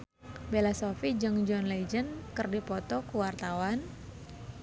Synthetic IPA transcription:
belasɔfid͡ʒɨŋd͡ʒɔnled͡ʒənkɨrdipɔt̪ɔkuwart̪awan

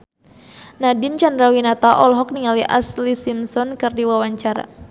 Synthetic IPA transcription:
nadint͡ʃandɾawinat̪aʔɔlɦɔk̚niŋaliʔa̰slisimsɔnkɨrdiwawaɲt͡ʃaɾa̰

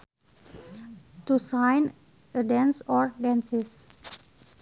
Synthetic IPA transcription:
t̪usãjn | ədɛ̃nsɔɹdɛ̃nsis

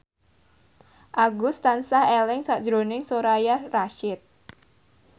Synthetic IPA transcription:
ʔaɡust̪ansahɛlɪŋsaʔd͡ʒɾonɪŋsoɾajaraʃɪt̪̚

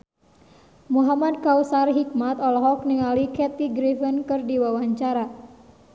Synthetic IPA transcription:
muɦamad̚kawsarɦik̚mat̪ɔlɔɦɔk̚niŋalikɛt̪iɡɾifənkɨrdiwawaɲt͡ʃaɾa

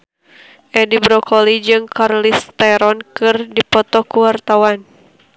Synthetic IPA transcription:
ʔɛdibɾɔkʰɔlid͡ʒɨŋkʰarlist̪ɛɾɔnkɨrdipɔt̪ɔkuwart̪awan

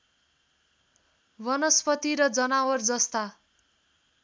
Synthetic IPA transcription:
bʌnʌspʌt̪iɾʌd͡zʌnawʌrd͡zʌst̪a

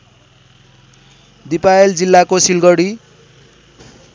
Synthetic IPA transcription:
d̪ipaeld͡zilːakosilɡʌɽi

